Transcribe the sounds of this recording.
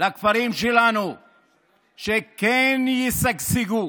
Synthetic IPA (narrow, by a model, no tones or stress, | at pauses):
lakfaɾimʃɛlanu | ʃekɛnjisaksiɡu